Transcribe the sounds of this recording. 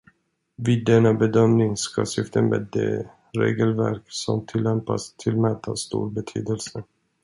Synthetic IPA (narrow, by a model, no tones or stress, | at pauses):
viːd̪ːɛnabɛd̪œmnɪŋskʰasʏft̪ʰənmeːd̪ɛ | ɾeːɡəlvæɾksɔmt̪ʰɪlːɛmpast̪ʰɪlːmɛt̪ʰast̪ṵːɾbɛt̪ʰy̰ːd̪əlsə